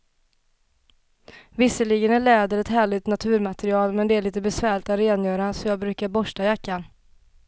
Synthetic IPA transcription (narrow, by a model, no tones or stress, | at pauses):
vɪsəlɪɡənæɭɛːd̪əɾɛt̪ɦæːɭɪt̪nat̪ʰʉ̟ːɾmat̪ɛɾɪɑːlmɛnd̪ɛæɭiːt̪əbɛsvæːɭɪt̪at̪ɾeːnjœːɾasɔjɑːɡbɾʉ̟ːkaɾbɔʂʈajakːan